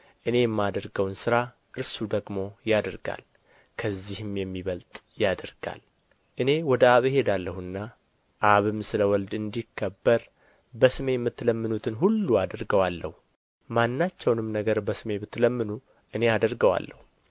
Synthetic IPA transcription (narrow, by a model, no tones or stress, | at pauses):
ʔɨne̞jɛmːad̪əɾɡəwnsɨɾa | ʔɨɾsud̪əɡmo̞jad̪əɾɡa̰l | kʰəzːihɨmjɛmːiβəlt̪ʼ | jad̪əɾɡ̥a̰l | ʔɨne̞wɔd̪əaβhe̞d̪alːəhɨnːa | ʔaβɨmsɨləwɔld̪ɨnd̪ikʰːəbːəɾ | bəsɨme̞jɛmːɨt̪ːləmːɨnut̪ʰɨnɦulːuad̪əɾɡəwalːəhu | manːat͡ʃːɛwnɨmnəɡəɾbəsɨme̞bɨt̪ːləmːɨnu | ʔɨne̞ad̪əɾɡəwa̰lːə̰hu